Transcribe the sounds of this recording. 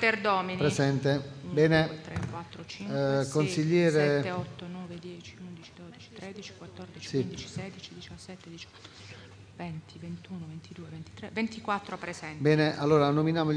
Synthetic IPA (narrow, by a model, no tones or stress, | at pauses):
perd̪ɔːminpɾezɛnt̪ebɛːneɾekwat̪ːɾot͡ʃiŋkonsiʎːɛːɾeɛeɔt̪ːonɔːved̪jɛːt͡ʃiund̪it͡ʃid̪oːd̪it͡ʃi̥t̪ɾed̪it͡ʃi̥kwat̪ːɔrd̪it͡ʃisiit͡ʃi̥sɛd̪it͡ʃid̪it͡ʃasːɛt̪ːed̪it͡ʃɔ̥t̪ː | vɛnt̪ivent̪uːnovent̪id̪uːevent̪i̥t̪ɾevent̪ikwat̪ːɾopɾezɛnbɛːneʔalːoːɾanominjaːmo